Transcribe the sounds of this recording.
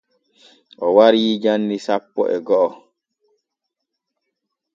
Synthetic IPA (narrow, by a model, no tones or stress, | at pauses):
ʔɔwaɾiːd͡ʒanːisapːɔ̰ʔɛɡɔʔɔ